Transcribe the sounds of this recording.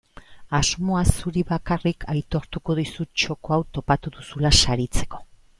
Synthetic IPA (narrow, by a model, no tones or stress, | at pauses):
azmo̞asuɾiβakarikʰajt̪o̞ɾt̪uko̞ðisut͡ʃo̞ko̞awt̪o̞pat̪uðusulasaɾit͡se̞̥ko̞̥